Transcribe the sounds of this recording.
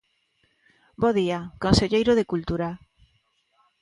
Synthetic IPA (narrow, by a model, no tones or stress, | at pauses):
boðiakõnseʎejɾoðekult̪uɾa